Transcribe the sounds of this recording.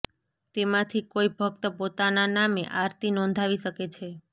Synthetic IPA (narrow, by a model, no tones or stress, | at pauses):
t̪emãt̪ʰikoibʱək̚t̪əpot̪ananamḛʔaɾt̪inɔ̃nd̪ʱaʋiʃəket͡ʃʰe